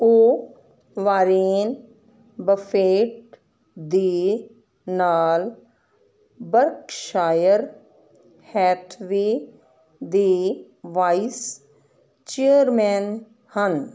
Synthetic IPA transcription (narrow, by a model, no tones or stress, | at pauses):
oː | ʋaːɾeːn | bəfʰeːʈ̚ | d̪iː | naːl | bəɾkʃaːjəɾ | hɛːt̪ʰʋiː | d̪iː | ʋais | t͡ʃijəɾmɛːn | hən